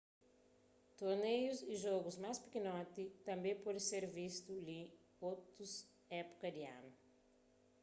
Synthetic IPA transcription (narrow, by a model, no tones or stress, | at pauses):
t̪oɾnejuziʒɔɡuzmajspi̥kinɔt̪it̪ɐ̃mbẽj̃pɔd̪ɪseɾvist̪uli | owt̪us | ɛpu̥kɐd̪iã̰nu